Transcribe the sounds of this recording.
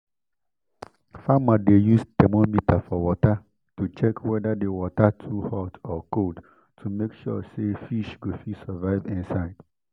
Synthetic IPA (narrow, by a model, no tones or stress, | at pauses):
famadejustɛmomitʰafɔwɔta | tut͡ʃɛkʰwɛdadewɔtatʰuhɔtɔkʰold | tʰumekʃɔ̰sefiʃɡofisavaɪvɪ̃nsaɪd̥